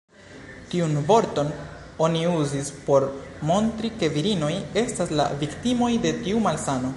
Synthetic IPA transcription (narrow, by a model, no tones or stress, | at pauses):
tiunvo̞ɾto̞n | o̞niuzispo̞ɾmo̞ntɾike̞viɾino̞je̞stasla̰viktimo̞jde̞tiumalsano̞